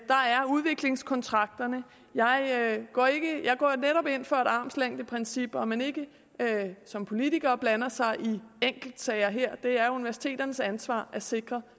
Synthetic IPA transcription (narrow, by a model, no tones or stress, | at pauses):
d̥ɑ̈æɐuð̞ˠʋe̝ɡ̥le̝ŋskʰɒ̽nt͡sʰʁɑ̈ɡ̥̚d̥ɐnə | jɑ̈ɪɡ̥ɒ̰ːe̝ɡ̥əjɑ̈ɪɡ̥ɒ̰ːneɾɒ̽b̥e̝n̰fɒæɾ̥ɑ̈ːmslæŋ̰d̥əpʰʁɛnsib̥ɒ̽mæne̝ɡ̥ə | sɒ̽mpʰo̝lit͡sʰiɡ̥ɐːb̥lænɐsɑ̈ɪʔieŋ̰ɡ̥l̩d̥sɛɪɐɦeɐ̰d̥e̝æɐuniʋæɐsi̥t͡sʰe̝̰ːdɾ̥ɐnəsænsʋɑ̰̈ːæse̝ɡ̥ʁɐ